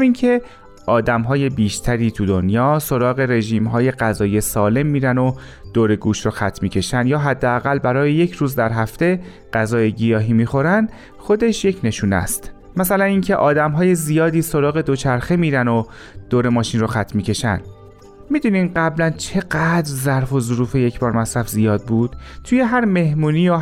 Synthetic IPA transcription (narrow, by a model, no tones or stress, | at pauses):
hmiːncʰe̞ | ʔɒːd̪æmɦɒːje̞biːʃt̪ʰæɾiːt̪ʰud̪onjɒːso̞ɾɒːɣe̞ɾe̞ʒiːmɦɒːje̞ɢæzɒːijesɒːle̞mːiːɾæno̞ | d̪̥oːɾe̞ɡuːʃɾoxæt̪ʰːmiːcʰe̞ʃænd̪jɒːɦæd̪ːeæɣælbæɾɒːjeje̞cʰɾuːzd̪æɾɦæft̪e̞ | ɢ̥æzɒːjeɡijɒːɦiːmiːxo̞ɾænd̪ | xo̞d̪e̞ʃje̞cʰne̞ʃuːnæ̰st̪ | mæsælæniːncʰe̞ʔɒːd̪æmɦɒːje̞zijɒːd̪iːso̞ɾɒːɣe̞d̪o̞t͡ʃʰæɾxe̞miːɾæno | d̪̥oːɾemɒːʃinroxæt̪ʰmiːcʰe̞ʃæ̰n | mid̪uːniːmɢæblænt͡ʃʰe̞ɢæd̪ɾzæɾfo̞zoɾuːfe̞je̞cʰbɒːɾmæsɾæfzijɒːd̪̚buːd̪̥t̪ʰuːje̞ɦæɾme̞hmuːniːjo